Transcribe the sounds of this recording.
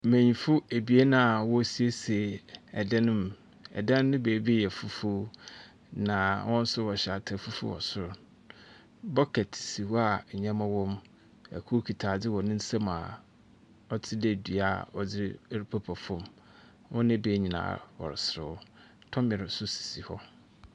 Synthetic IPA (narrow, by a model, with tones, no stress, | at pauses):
mæ̃˨ɲĩ˨fʊ˦e˨bi˨˦e˦nã˨wɔ˦si˦e˦se˨ɛ˨dã˦nʊ̃˦m | ɛ̰˨dã˦nː˦ɪ̃˦beː˨˦be˦jɛ˨fu˦fu˦ | nã˨wʔɔ̃˦n̩˦sʊ˦wɔ˨ɕa˨tʰa˨fu˦fʊ̰˦ɔ̰˨sʊ˦ɾ | bɔ˦kʰɛ˨tʰɪ̥˨si˨wɔ˦a˨ɲã˦mã˦wɔ̃˦m | æ̰˨kʰu˦kʰi˨tʰaː˨d͡zɪ˦wɔ˨nɪ̃˦n̩˦sã˦mã̰˨ | ɔ˦tʰɪ˦dɛ˦˨dɥa̰˨ɔ˨d͡zɪ˦ɾɪ˦ɾi˦pʰa˦pʰɔ˨fʊ̃˦˨m | wɔ̃˦nɪ̃˦beː˨˦ɲĩ˨na̰ː˨wɔ̰˨ɾɪ˨sɪ˨ɾʊ̰˦ | tʰɔ̃˦mɪ˨ɾɪ˨sʊ˦si̥˨si˨hɔ˦